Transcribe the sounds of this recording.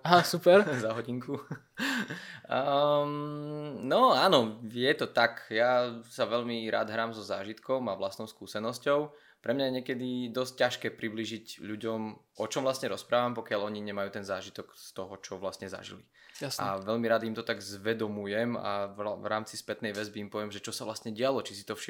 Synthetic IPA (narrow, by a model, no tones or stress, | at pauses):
aɦasupɛɾzaɦɔɟiŋku | mnɔaːnɔɪjɛt̪ɔt̪akjasaʋɛʎmiɾa̰ːd̪ɦɾaːmzɔzaːʒit̪kɔmaʋlastnɔʊskuːsɛnɔscɔʊ | pɾɛmɲajɛɲɪɛkɛd̪id̪ɔsc̚caʃkɛːpɾibliːʒiɟʎuɟɔmʔɔt͡ʃɔmʋlasɲɛɾɔspɾaːʋampɔkɪaʎɔɲiɲɛmajuːt̪ɛnzaːʒit̪ɔkst̪ɔɦɔt͡ʃɔʋlast̪ɲɛza̰ʒḭli | jasaʋɛʎmiɾaːd̪imt̪ɔt̪aɡzʋɛd̪ɔmujɛma̰ʋʋɾaːmt͡sispɛt̪nɛjʋɛzbiːmpɔʋɪɛmʒɛt͡ʃɔsaʋlast̪ɲɛɟɪalɔt͡ʃisi̥t̪ɔfʃi